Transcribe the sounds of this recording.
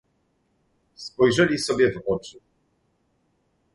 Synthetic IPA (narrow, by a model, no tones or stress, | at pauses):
spɔjʐɛlʲisɔbʲjɛvɔt͡ʂɘ